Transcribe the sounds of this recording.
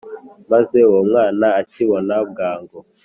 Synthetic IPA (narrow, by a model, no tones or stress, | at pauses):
mazewomŋaːnaːt͡ʃiwonabɡaːŋɡo